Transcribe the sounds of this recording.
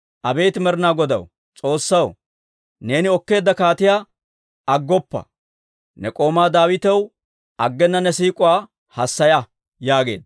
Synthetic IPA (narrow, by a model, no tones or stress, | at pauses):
ʔɐbe̞ːt̪ɪmɛɾɪnaːɡɔd̪ɐ̰w | t͡sʼo̞ːsːɐw | ne̞ːnɪɔkːe̞ːd̪ːɐkaːt̪ɪjaː | ɐɡːɔpːɐ̰ | nɛkʼo̞ːmaːd̪aːwɪt̪ɛw | ʔɐɡːɛnːɐnɛsiːkʼʊwaː | hɐsːɐjɐ | jaːɡe̞ːd̪